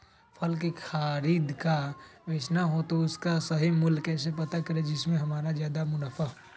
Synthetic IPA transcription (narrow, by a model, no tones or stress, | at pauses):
pʰəlk̬ekʰaːɾiːd̪kaʋet͡ʃnaɦot̪oʊskasəɦimʊlkɛːsepɐt̪akəɾed͡ʒɪsmẽɦɐmaːɾazjaːd̪amʊnəfəɦo